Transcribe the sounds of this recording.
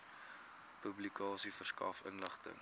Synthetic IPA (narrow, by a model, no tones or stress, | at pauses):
pɵblikɑːsifərskɐ̰fə̰nləχtə̰ŋ